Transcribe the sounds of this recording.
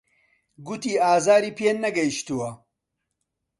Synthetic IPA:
ɡut̪iːaːzaːɾiːpenːɐɡɐjiʃt̪uwɐ

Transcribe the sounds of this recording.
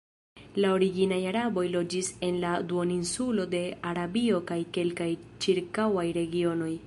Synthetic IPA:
lao̞ɾiɡinajaɾabo̞jlo̞d͡ʒise̞nlad̪uoninsulo̞de̞ʔaɾabio̞kajke̞lkajt͡ʃiɾkawajɾe̞ɡio̞no̞j

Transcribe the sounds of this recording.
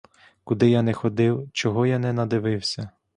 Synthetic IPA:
kʊd̪ɪjanɛxɔd̪ɪwt͡ʃɔɦɔjanɛnɐd̪ɪʋɪwsʲɐ

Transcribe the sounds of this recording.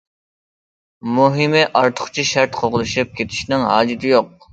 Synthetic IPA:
muɦɨmɪʔɑɾt̪ʰʊ̥χt͡ʃʰiʃæɾt̪qʰoʁʊlˠɨʃip̚kʲʰet̪ʰɪ̥ʃnɪŋɦɑ̰ːd͡ʒɪt̪ʰɪjoq̚

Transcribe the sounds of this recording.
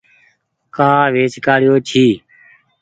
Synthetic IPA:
kaːʋeːt͡ʃkaːɽjoːt͡ʃʰiː

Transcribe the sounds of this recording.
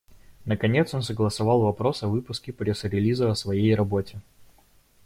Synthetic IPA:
nəkɐnʲet̪so̞nsəɡlˠəsɐvɑlˠvɐpɾo̞sɐvɨpʊskʲɪpɾʲesəɾʲɪlʲizəɐsvɐjejrɐbo̞tʲɪ

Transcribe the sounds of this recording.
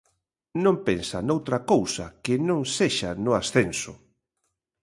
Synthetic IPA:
nõmpensa̰nowt̪ɾakowsa̰kɪnõŋseʃanʊasθensʊ̰

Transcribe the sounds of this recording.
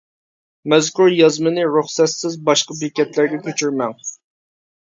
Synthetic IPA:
mɛzkʲuɾjɑzmɨnɨɾuχsɛt̪sɪzbɑʃqɑbikʲɛt̪læɾɡʲɛkʲʰøt͡ʃʰyɾmɛŋ

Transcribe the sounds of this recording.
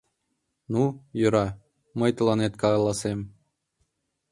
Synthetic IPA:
nujø̆ɾɑ | məjt̪ɤ̆lˠɑnet̪kɑɑlˠɑsem

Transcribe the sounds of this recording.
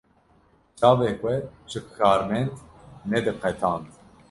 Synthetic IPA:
t͡ʃɑːveːxʷɛʒɨkxɑːɾmɛnt̪nɛd̪ɨqɛt̪ʰɑːnt̪

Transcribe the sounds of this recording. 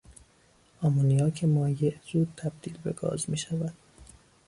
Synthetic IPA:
ʔɒːmonijɒːcʰemɒːjeʔzuːd̪̚t̪ʰæb̥̚d̪̥iːlbe̞̰ɡɒ̰ːzmiːʃævæd̪̥

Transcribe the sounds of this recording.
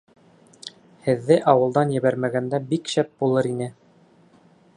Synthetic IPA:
hɘ̆ðːɘʔɑwɤ̆lˠd̪ɑnjɘ̆βæɾmæɡænd̪æbikɕæp̚bulˠɤɾinɘ

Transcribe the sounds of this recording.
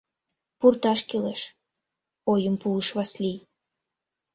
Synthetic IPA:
purt̪ɑʃkeleʃ | ojəmpuəʃβɑslʲij

